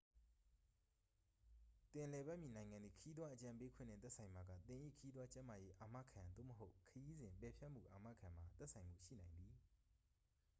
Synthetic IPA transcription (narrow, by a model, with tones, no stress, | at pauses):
t̪ɪ̃˨lɛ˨bɛ˦ʔmji˨nã˨ɪ̃ŋã˨nd̪ði˨kʰəji˦d̪wa˦ʔət͡ɕã˨mpe˦kʰwɪ̰̃˦˨n̥ɪ̰̃˦˨t̪̬ɛ˦ʔsʰã˨ɪ̃mba˨ɡa̰˦˨t̪ɪ̃˨ʔḭ˦˨kʰəji˦d̪wa˦t͡ɕã˦ma˨je˦ʔa˨ma̰˦˨kʰã˨nd̪o̰˦˨məɦo˦ʊkʰəji˦zɪ̃˨mpɛ˨pʰja˦ʔm̥ṵ˦˨ʔa˨ma̰˦˨kʰã˨m̥a˨t̪ɛ˦ʔsʰã˨ɪ̃m̥ṵ˦˨ʃḭ˦˨nã˨ɪ̃nd̪ði˨